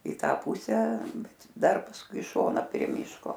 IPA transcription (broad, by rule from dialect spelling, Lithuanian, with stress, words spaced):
ɪ ˈtɑː ˈpʊsʲæː ˈbʲɛt ˈdɐr pɐsˈkʊɪ ɪ ˈʃoːnɐ pʲrʲiɛ ˈmʲiːʃkoː